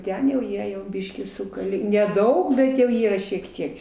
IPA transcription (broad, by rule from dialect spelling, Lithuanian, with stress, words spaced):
ˈtʲɛn jɛʊ ˈjiɛ jɛʊ ˈbʲiːʃʲkʲiː ˈsʊkɐlʲeː nʲɛˈdɐʊk ˈbʲɛt jɛʊ ˈiːrɐ ʃʲiɛk ˈtʲiɛk